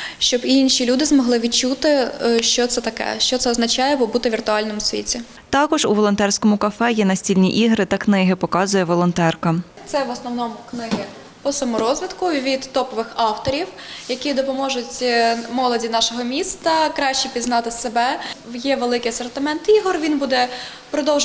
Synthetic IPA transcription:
ʃt͡ʃɔbiinʃʲilʲud̪ɪzmɔɦlˠɪʋʲid̪t͡ʃut̪ɪʃt͡ʃɔt̪sɛt̪ɐkɛ̰ʃt͡ʃɔt̪ɛɔznɐt͡ʃɑjɛbɔbut̪ɪʋʲirt̪ʊɑlʲnɔmʊsʲʋʲḭtʲi | t̪ɑkɔʒuʋɔlˠɔnt̪ɛrsʲkɔmʊkɐfɛjɛnɐsʲtʲilʲnʲiʔiɦɾɪt̪ɐknɪɦɪpɔkɑzʊjɛʋɔlˠɔnt̪ɛrkɐ | t̪sɛʋɔsnɔwnɔmʊknɪɦɪ | pɔsɐmɔɾɔzʲʋʲid̪kʊʋʲid̪ːɔpɔʋɪxɑwt̪ɔɾʲiwjɐkʲid̪ɔpɔmɔʒʊtʲmɔlˠɔdʲinɑʃɔɦɔmʲist̪ɐkɾɑʃt͡ʃipʲiznɑt̪ɪsebɛjɛʋelˠɪkɪjɐsɔrt̪ɪmɛnt̪iɦɔrʋʲinbud̪ɛ | pɾɔd̪ɔwʒ

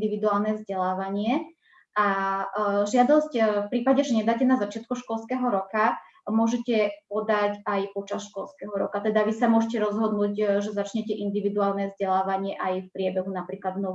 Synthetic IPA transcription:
d̪iʋid̪uaːlnɛvzɟɛlaːʋaɲɪɛ | ʔa | ʒɪad̪ɔscfpɾiːpaɟɛʒɛɲɛd̪aːcɛnazat͡ʃɪat̪kuʃkɔlskɛːɦɔɾɔka | mʊɔʒɛcɛpɔd̪acajpɔt͡ʃasʃkɔlskɛɦɔɾɔ̰kat̪ɛd̪aʋisamʊɔʒɛcɛɾɔzɦɔd̪nuːcʒɛzat͡ʃɲɛcɛʔind̪iʋid̪uaːlnɛvzɟɛlaːʋaɲɪɛʔajfpɾɪɛbɛɦunapɾiːklad̪nɔ

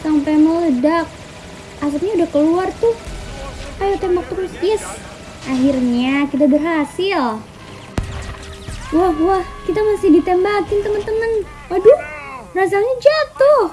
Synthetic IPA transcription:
sampemolədak̚ | as̬apɲaudahkəluart̪ʊh | kajat̪ɛmbak̚t̪əɾʊsjəs | ʔaɦirɲakit̪̬abərɦasɪl | wahwahkit̪amasɪhdit̪ɛmbakɪnt̪əmənt̪əmən | wadʊhras̬aɲad͡ʒat̪ʊh

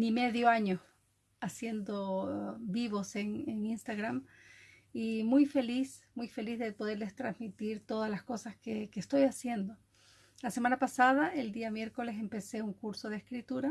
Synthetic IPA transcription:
nimeðjoaɲo | asje̞nd̪obiβo̞seŋeŋinst̪aɣɾam | imujfe̞lismujfe̞lizðe̞po̞ðe̞ɾle̞st̪ɾazmit̪iɾt̪o̞ðalasko̞saskekest̪o̞jasje̞nd̪o̞ | lase̞manapasaðaeld̪iamje̞ɾko̞le̞se̞mpe̞se̞uŋkuɾso̞ðeskɾit̪uɾa

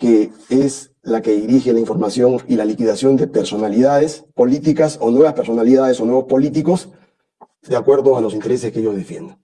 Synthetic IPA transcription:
kees | lake̞ðiɾixelaiɱfo̞ɾmasjo̞ŋilalikiðasjo̞nd̪e̞pe̞ɾso̞naliðaðespo̞lit̪ikaso̞nwe̞β̞aspe̞ɾso̞naliðaðe̞so̞nwe̞βo̞spo̞lit̪iko̞s | d̪eakwe̞ɾðoalo̞s̬int̪e̞ɾes̬eskeejo̞zðe̞fje̞nd̪en

